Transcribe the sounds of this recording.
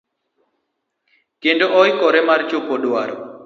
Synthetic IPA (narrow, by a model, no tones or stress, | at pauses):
kendoʔɔjkɔɾɛmart͡ʃopoɗwa̰ɾɔ̰